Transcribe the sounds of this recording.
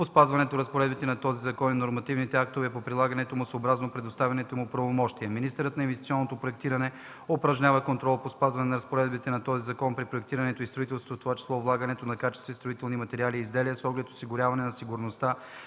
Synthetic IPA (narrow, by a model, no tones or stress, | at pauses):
pospazvɐnɛt̪oɾɐspoɾɛd̪bit̪ɛnɐt̪ɔzizɐkɔninoɾmɐt̪ivnit̪ɛak̚t̪ovɛpopɾilˠaɡɐnɛt̪omʊsəobɾaznopɾɛd̪ost̪avʲɐnɛt̪omʊpɾɐvomɔʃt̪iɛminist̪ɛɾət̪nɐinvɛst̪i̥t̪sʲiɔnːot̪opɾoɛk̚t̪iɾɐnɛ | opɾɐʒɲʲavɐkont̪ɾɔlˠpospazvɐnɛnɐɾɐspoɾɛd̪bit̪ɛnɐt̪ɔzizɐkɔnpɾipɾoɛk̚t̪iɾɐnɛt̪oist̪ɾoit̪ɛlˠst̪oft̪ovat͡ʃɛ̥slˠɔvlˠaɡɐnɛt̪onɐkat͡ʃɛst̪vɛst̪ɾoit̪ɛlˠnimɐt̪ɛɾialiːzd̪ɛliəsɔɡlɛt̪o̥siɡʊɾʲavɐnɛnɐsiɡʊɾnost̪a